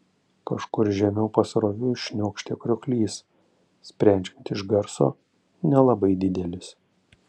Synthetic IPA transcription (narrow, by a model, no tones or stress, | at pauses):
kɐʃkʊɾʒʲɛmʲɛʊpɐsɾoːʋʲuːʃʲnʲoːkʃʲt̪ʲeːkɾʲɔklʲiːs | sʲpʲɾʲænʲt͡ʃʲkʲnʲt̪ʲɪʒɡɐɾso̰ː | nʲɛlˠɐbɐɪd̪ʲɪd̪ʲɛlʲɪs